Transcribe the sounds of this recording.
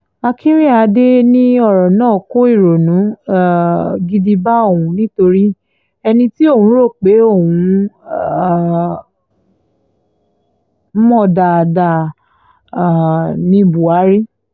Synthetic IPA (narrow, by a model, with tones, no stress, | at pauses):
a˧kĩ˦ɾĩ˦a˧de˦nĩ˦ɔ˦˨ɾɔ̃˨nãː˦˨ko˦i˦˨ɾo˨nũ˨˦˨ | ɡi˧di˧ba˦o˦˨ũ˨˦nĩ˦to˧ɾi˦ | ɛ˧nĩ˧ti˦o˦˨hũ˨˦ɾo˦˨k͡pe˨˦o˦˨wũ˨˧˨ | m̩˦mɔ̃˦˨da˧˨a˧da˧˨ | nĩ˧bu˨a˨˦ɾi˦